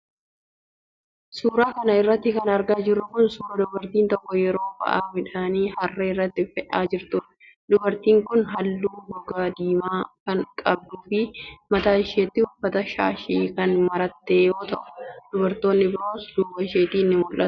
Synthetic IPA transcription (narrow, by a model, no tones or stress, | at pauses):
suːɾaːkɐnɐɪrːɐt̪ːɪkɐnɐɾɡaːd͡ʒɪrːʊkʊnsuːɾɐd̪ɔbɐɾt̪iːnt̪ɔkːɔjɛɾo̞ːbɐ̰ʔaːmɪᶑaːniːhɐrːeːɪrːɐt̪ːɪfɛᶑaːd͡ʒɪɾt̪ʊ | d̪ʊbɐɾt̪iːŋkʊnɦɐlːuːbɔɡaːd̪iːmaːkɐŋkʼɐb̚d̪ʊfɪmɐt̪aːɪʃeːt̪ːɪhʊfːɐt̪ɐʃa̰ːʃiːkɐnmɐɾɐt̪ːe̞ːjo̞ːt̪ɐʔʊ̥d̪̥ʊbɐɾt̪o̞ːnːɪbɪɾo̞ːsd̪uːbɐɪʃeːt̪iːnːɪmʊlʔɐt̪ʊ̥